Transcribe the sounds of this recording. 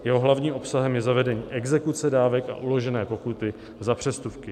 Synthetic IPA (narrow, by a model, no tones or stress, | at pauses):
jɛɦo̞ɦlavɲiːmʔo̞psaɦɛmjɛzavɛdɛɲiːʔɛɡzɛkut͡sɛdaːvɛka̰ʔulo̞ʒɛnɛːpo̞kut̪ɪ | zapr̝̥ɛst̪ufkɪ